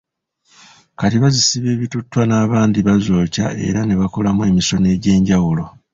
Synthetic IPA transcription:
katiβazisiβe̞ːβitutːwanaːβaːndiβazoːca̰e̞̰ɾane̞βako̞lamuwe̞ːmiso̞ne̞ːɟe̞ːɲɟawulo̞

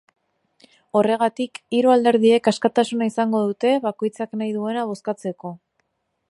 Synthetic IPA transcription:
o̞re̞ɣat̪ikiɾoald̪e̞ɾðie̞kaskat̪asunaisaŋɡo̞ðut̪e̞βako̞jt͡saknajðue̞naβ̞o̞skat͡se̞ko̞

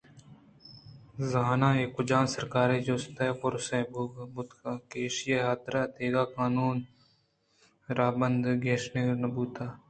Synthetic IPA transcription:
zaːnaːeːkʊd͡ʒaːnsɐɾkaːɾed͡ʒoːst̪ɐpʊɾsebbʊt̪kakeːʃɪjeɦaːt̪ɾat̪eːɡaːkaːnuːn | ɾaːbənd̪ɡʱeːʃnenɐbuːt̪aː

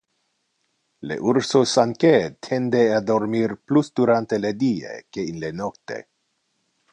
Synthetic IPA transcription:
lḛʔuɾsosaŋket̪ʰend̪ead̪oɾmirplusd̪uɾant̪eled̪iḛkeinlenokt̪ḛ

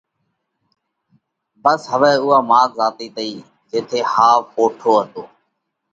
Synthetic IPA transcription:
bəsɦəʋɛːʊːaːmaːkzaːt̪iːt̪əiː | d͡ʒeːt̪ʰeːhaːʋpoːʈʰoːɦət̪oː

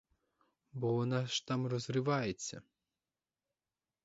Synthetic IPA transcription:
bɔʋɔnɑʃt̪ɑmrɔzrɪʋɑjet͡sʲːɐ̰

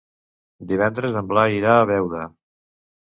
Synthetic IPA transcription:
d̪iβ̞ɛnd̪ɾəzəmblaiɾaːβɛwɾə

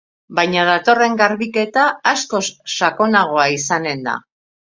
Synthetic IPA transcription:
bajɲaðat̪o̞re̞ŋɡaɾβike̞t̪aːsko̞sːako̞naɣ̞o̞aisane̞nd̪a̰

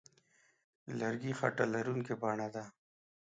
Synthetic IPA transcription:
laɾɡixa̰ʈalaɾuŋkebaɳad̪a

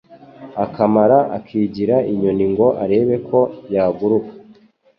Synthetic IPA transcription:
akamaɾaʔa̰kʰiːɟiɾaiɲo̞niŋɡo̞ʔaɾe̞ːβe̞kʰo̞jaːɡuɾukḁ

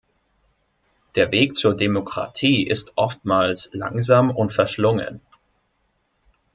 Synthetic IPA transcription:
d̥eːɐveːkt͡suːɐdemokʁ̥a̰tʰiːʔɪstʔɔftmaːlsla̰ŋzaːmʊntfɛɐʃlʊŋə̰n

